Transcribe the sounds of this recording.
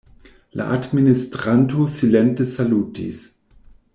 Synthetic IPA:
la̰ʔadministɾantosilɛntəsalutḭs

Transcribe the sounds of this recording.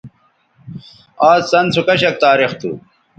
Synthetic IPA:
aːssɐnt͡sʰukɐɕɐk̚t̪aːɾixt̪ṵ

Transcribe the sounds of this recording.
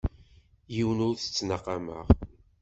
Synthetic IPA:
jiwnʊɾθə̥t͡sːnəqːɑmə̰ʁ

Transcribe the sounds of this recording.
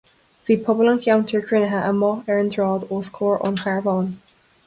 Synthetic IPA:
ðipʰʌbələ̃nkʰãʊ̃ntʰə˞kʰɹ̥ɪnəɦəəmɔɛɹə̃ndɹɔːdɔskʰɔːɹʔə̰̃nkʰaɹvɔ̃n

